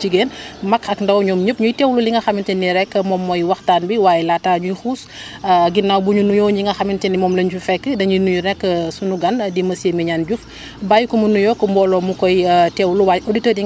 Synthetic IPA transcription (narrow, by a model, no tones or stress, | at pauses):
t͡ʃiɡeːnmɐkʰɐkndɐwɲumɲup̚ɲujtɛːwluliŋɡɐxɐmintɛnːiɾɛkːəmɔmːɔjwɐxtaːnbiwaːjɛlataːɲujxuːs | ɐɡinːawbuɲunujɔɲiŋɡɐxɐmintinimɔːmlɐɲt͡ʃufɛkːədɐɲinuɲunɛkːəsunuɡɐndimɐsemiɲaːnɟuf | bajukumunujɔːkːəmbɔːlɔmukɔjtɛwluwajʔoditəːdi